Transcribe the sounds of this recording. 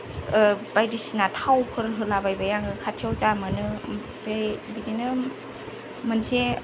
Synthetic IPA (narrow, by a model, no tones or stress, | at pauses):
bajdisinatʰawkʰɯɾɦɯlabajbajaŋɯkʰatʰiɔwt͡ʃamɯnɯ | bebidinɯ | mɯnse